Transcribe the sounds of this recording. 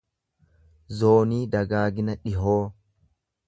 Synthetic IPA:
zoːniːd̪ɐɡaːɡɪnɐᶑɪɦoː

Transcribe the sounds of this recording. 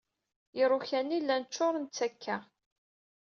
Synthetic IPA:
jɪɾˤʊçænːilːænt͡ʃːʊɾˤənt͡sːækʰːæ

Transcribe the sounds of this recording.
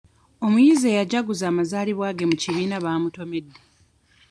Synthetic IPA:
o̞mujizeːjaɟaɡuzaːmazaːliβwaːɡe̞muciβiːnaβaːmuto̞me̞dːe

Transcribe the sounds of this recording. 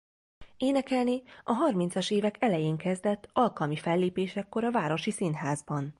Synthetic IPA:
eːnɛkɛlniɒɦɒrmint̪sɒʃeːvɛkʰɛlɛjeːŋkɛzd̪ɛt̪ːɒlkɒlmifɛlːeːpeːʃɛkːo̞ɾɒvaːɾo̞ʃisinɦaːzbɒn

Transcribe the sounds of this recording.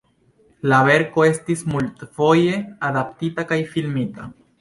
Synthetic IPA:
laβe̞ɾkoe̞st̪ismult̪fo̞je̞aðap̚t̪it̪akajfilmit̪a

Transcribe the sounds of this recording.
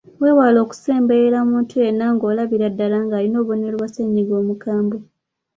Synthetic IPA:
we̞ːwalo̞ːku̥se̞ːmbejeɾamuːntʰue̞naŋɡo̞ːlaβiɾadːalaŋɡaːlino̞ːβo̞nelwaseɲiɡo̞ːmukaːmbo

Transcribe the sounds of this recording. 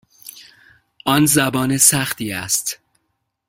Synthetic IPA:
ʔɒnzæbɒːnesæxt̪iːæst̪

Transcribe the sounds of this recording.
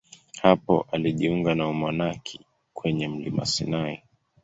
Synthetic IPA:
hapɔ̰ʔaliʄiuŋɡanaumanakʰi̥ | kwɛɲɛm̩lima̰sinai

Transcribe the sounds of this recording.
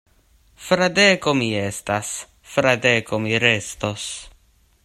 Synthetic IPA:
fɾad̪ekomiestas | fɾad̪ekomiɾest̪os

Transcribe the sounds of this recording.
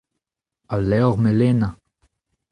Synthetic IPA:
alɛɔʁmelena

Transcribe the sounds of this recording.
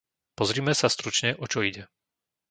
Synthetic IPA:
pɔzɾiːmɛsast̪ɾut͡ʃɲɛʔɔt͡ʃɔiɟɛ

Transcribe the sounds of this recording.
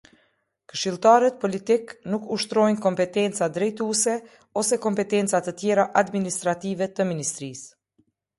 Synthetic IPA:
kə̥ʃilˠt̪aɾət̪̚pɔlit̪iknukuʃt̪ɾɔjnkɔmpɛt̪ɛnt͡sad̪ɾɛjt̪usɛ | ɔsɛkɔmpɛt̪ɛnt͡sat̪ət̪jɛɾaʔad̪minist̪ɾat̪ivɛt̪əminist̪ɾis

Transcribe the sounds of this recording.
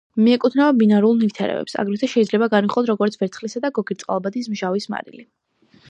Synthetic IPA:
miɛkʼut̪ʰnavabinaɾulˠnift̪ʰɛ̰ɾɛ̰bɛ̰psa̰ɡɾit̪ʰaʃɛid̪zlɛbaɡaniχlˠɔd̪ʰɾɔɡɔɾt̪sʰbɛɾt̪sχlisad̪aɡɔɡiɾt̪sʼqʼa̰lˠbad̪is̬mʒavisma̰ɾḭli

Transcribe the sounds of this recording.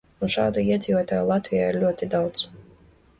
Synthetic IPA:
unʃaːd̪uiɛd̪zʲiːvuɔt̪aːjulˠat̪vijaːiɾlʲuɔt̪id̪awt̪s

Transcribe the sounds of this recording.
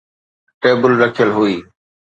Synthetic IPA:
ʈeːbəlɾəkʰjəlɦʊiː

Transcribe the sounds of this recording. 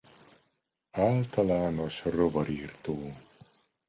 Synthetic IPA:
aːlt̪ɒlaːno̞ʃrovɒɾiːrt̪oː

